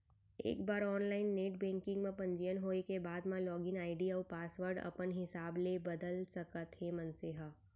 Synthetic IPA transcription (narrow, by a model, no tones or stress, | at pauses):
ḛːkbaːɾɔːnlaːɪnːeːʈ̚bɛ̃ːŋkɪ̃ŋɡmẽpɐ̃ɲd͡ʒijənɦoːekebaːd̪mãlɔːɡɪnaːɪɖiapaːsʋəɾɖɐ̰pənɦɪsaːblebɐd̪əlsɐkət̪ɦemɐnsɪɦə